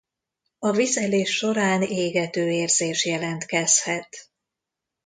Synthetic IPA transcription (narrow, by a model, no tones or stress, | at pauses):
ɒvizɛleːʃːo̞ɾaːneːɡɛt̪øːeːrzeːʃjɛlɛnt̪kɛshɛt̪